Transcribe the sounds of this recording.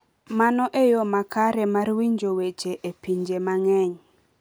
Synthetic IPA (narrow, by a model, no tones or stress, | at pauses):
manɔʔejomakaɾɛmarwiɲd͡ʒowet͡ʃeʔepiɲd͡ʒemaŋɛɲ